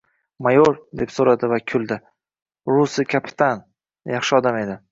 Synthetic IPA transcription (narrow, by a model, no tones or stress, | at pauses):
majoɾd̪e̞psoɾad̪ɪvakʲʰʊlˠd̪ɪ | ɾʊsɪkʲʰapʰɪ̥t̪ʰan | jɑχʃɪɒd̪ame̞d̪ɪ